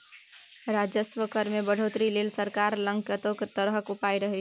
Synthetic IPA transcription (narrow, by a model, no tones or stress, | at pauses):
ɾad͡ʒəsʋəkəɾmebəɽ̤ot̪ɾilelsəɾkaɾlə̃ŋkjət̪okt̪əɾɦəkupaiɾəɦɛ